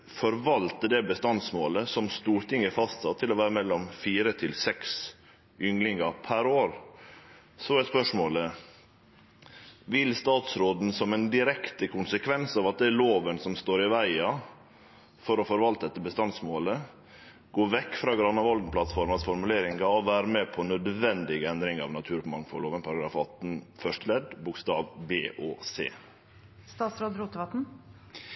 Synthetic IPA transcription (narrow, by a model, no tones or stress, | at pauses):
fɔɾʋɑlt̪əd̪ɛbəst̪ɑnsmoːləsɔmst̪uːɾt̪ɪŋːəfɑst̪sɑt̪ʰːɪlɔʋæːɾəmɛlːɔmfiːɾət̪ʰɪlsɛks | ʏŋlɪŋəpʰæɾoːɾ | sɔæspœʂmoːlə | ʋɪlst̪ɑːt̪sɾoːd̪n̩sɔmɛnd̪ɪɾɛkt̪əkʰʊnsəkʰʋɛnsɑːʋɑt̪̚d̪ɛːloːʋənsɔmst̪oːɾɪʋæɪɑ | fɔɾɔfɔɾʋɑlt̪d̪ɛt̪ːəbəst̪ɑnsmoːlə | ɡoːʋɛkːfɾɑːɡɾɑnːɑʋɑld̪n̩pʰlɑt̪fɔɾmɑsfɔɾmʉleːɾɪŋɡɑɔʋæːɾəmɛpʰɔnœd̪ʋɛnd̪ɪɡəɛnd̪ɾɪŋɑ̰ʋnɑt̪ʰʉːɾmɑŋfɔloːʋənpʰɑɾɑɡɾɑːfɑt̪n̩fœʂʈəlɛd̪bʊkst̪ɑːʋbeːʔoːsḛː | st̪ɑːt̪sɾoːd̪ɾuːt̪əʋɑt̪n̩